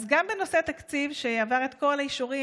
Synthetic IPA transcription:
zɡambeno̞se̞at̪akt͡sivʃeaːvaʁe̞t̪ko̞laiʃuʁi

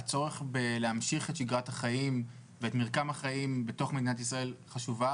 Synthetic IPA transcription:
at͡so̞ʁeχbeleamʃiχetʃiɡʁathaχaim | veetmiʁkamhaχaimbeto̞χmed̪inatisʁae̞lχaʃuva

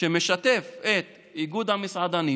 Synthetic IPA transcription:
emeʃat̪efet̪ | iɡud̪hamisʕad̪ani

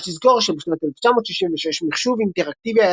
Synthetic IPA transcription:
lizko̞ʁʃebeʃnat̪eleft͡ʃamot̪ʃiʃinveʃeʃmiχʃuvint̪eʁak̚t̪ivia

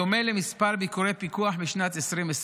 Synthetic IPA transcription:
omelemispaʁbikuɾepikuaħbiʃnat̪esʁimes

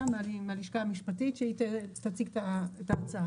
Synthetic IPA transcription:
malmaliʃkaːmiʃpatitʃeait̪et̪at͡sikt̪aetaːt͡saa

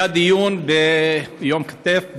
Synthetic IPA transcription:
ad̪ijunbejomkḁt̪ɛfb

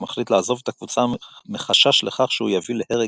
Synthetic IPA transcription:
maχlit̪laːzo̞vet̪akvut͡sameχaʃaʃleχaχʃeujavilehe̞ʁe

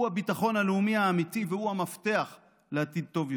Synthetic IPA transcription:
uhabitaχo̞nhaleumihaːmitivehuhamafte̞aχ | leat̪id̪̚t̪o̞vj

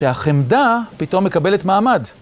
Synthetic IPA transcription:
ʃeaχemdapito̞mːe̞kabe̞le̞tmaːmad

